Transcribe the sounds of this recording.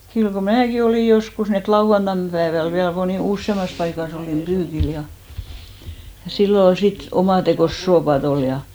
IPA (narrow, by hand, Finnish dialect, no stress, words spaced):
kyl ko mæːki oliˑ joskus ni et lɑuw̆ɑntɑn pæːʋæl ʋiæl moniˑ usːemɑs pɑikɑs oliˑm b̥yːkil jɑ jɑ silːo ol sit omɑˑtekoˑs soːpɑt ol jɑ